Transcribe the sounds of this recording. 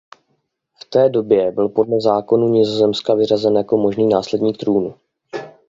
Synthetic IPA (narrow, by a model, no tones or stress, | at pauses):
ft̪ɛːdo̞bjɛbɪlpo̞dlɛzaːko̞nuɲɪzo̞zɛmskavɪr̝azɛnjako̞mo̞ʒniːnaːslɛdɲiːkt̪ɾuːnu